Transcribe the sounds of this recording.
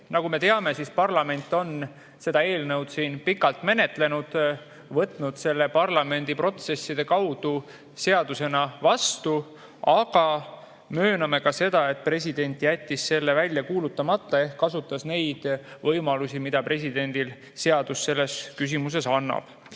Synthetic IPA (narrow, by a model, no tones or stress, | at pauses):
nɑɡume̞t̪e̞ɑme̞sispɑrlɑme̞nʲt̪ːˑo̞n | se̞d̪ɑe̞ːlnɤwd̪̥siːnpikːˑɑlt̪ˑme̞ne̞t̪le̞nud̪̥ | vɤt̪ˑnud̪̥se̞lːe̞pɑrlɑme̞nʲd̪̥ipro̞t̪se̞sːid̪̥e̞kɑwd̪̥u | se̞ɑd̪̥use̞nɑvɑst̪u | ɑɡ̥ɑ | mø̞ːnɑme̞kɑse̞d̪̥ɑe̞t̪̚ˑpre̞sʲid̪̥e̞nʲt̪ˑjæt̪ʲːisːe̞lːe̞vælʲjɑkuːlut̪ˑːɑmɑt̪ːˑɑe̞hkkːɑsut̪ːˑɑsne̞jd̪̥vɤjmɑlusimid̪̥ɑpre̞s̬id̪e̞nʲd̪̥il | se̞ɑd̪̥usːe̞lːe̞skys̬imus̬e̞sɑnːɑ̰b̥